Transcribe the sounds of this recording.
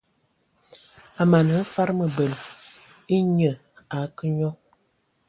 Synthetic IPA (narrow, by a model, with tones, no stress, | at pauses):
a˨ma˨n˨ə˦fa˦ɾmə˨bə˨l | i˦ɲə˨ | a˨˦kə˦ɲɔ˦